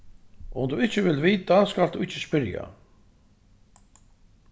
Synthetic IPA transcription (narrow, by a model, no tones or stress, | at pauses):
ʊmd̪uɪht͡ɕːɪvɪlviːt̪askald̪uɪht͡ɕːɪspɪɾja̰